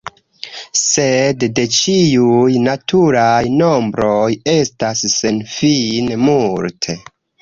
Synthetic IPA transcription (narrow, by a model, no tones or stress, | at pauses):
se̞dde̞t͡ʃiujnatʰuɾajno̞mbɾo̞je̞stasːe̞nfinmultʰe